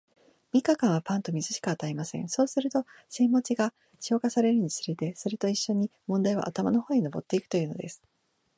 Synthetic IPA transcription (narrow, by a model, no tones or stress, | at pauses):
mʲikakãɰ̃βapãnt̪o̞mʲizɨɕi̥kaat̪aimasẽ̞̰so̞ːsɨɾɯ̟t̪o̞ | sẽmːo̞t͡ɕiɡa | ɕo̞ːkasaɾe̞ɾɯ̟ɲ̟isɨɾet̪e̞so̞ɾe̞t̪o̞iɕːo̞ɲ̟imõnd̪aiβa̰ʔat̪amano̞ho̞ːɲ̟inobo̞̰t̪ːe̞ikɯ̟̥o̞jɯ̟ːno̞̰d̪e̞sɨ̥